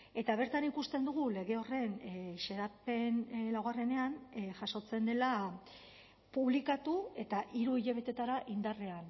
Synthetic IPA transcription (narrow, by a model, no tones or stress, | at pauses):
e̞t̪aβ̞e̞ɾt̪anikust̪e̞nd̪uɣ̞ule̞ɣ̞e̞o̞re̞nʃe̞ɾape̞nlawɣare̞ne̞anʝaso̞t͡se̞nd̪e̞la | puβlikat̪ue̞t̪aʔiɾuiʎeβe̞t̪e̞t̪aɾaʔind̪are̞an